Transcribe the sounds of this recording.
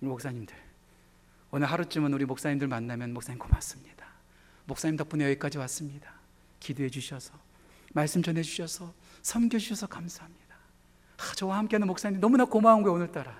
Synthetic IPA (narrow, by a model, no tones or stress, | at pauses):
mok̚s͈aɲimdɯɭ | onɯɭɦaɾut͡ɕ͈ɯmɯnuɾimok̚s͈aɲimdɯɭmanːamjʌnmok̚s͈aɲimkomas͈ɯmɲid̥ḁ | mok̚s͈aɲimtʌp͈unejʌik͈ad͡ʑiwas͈ɯmɲida | kideɦed͡ʑuɕʰʌsʰʌ̥ | maɭs͈ɯmt͡ɕʌnɦe̞d͡ʑuɕʰʌsʰʌ | sʰʌmɡjʌd͡ʑuɕʰʌsʰʌkamsʰaɦamɲid̥a | t͡ɕʌwahamk͈eanɯnmoks͈aɲindnʌmunakomaɦanɡoeonɯɭt͈aɾa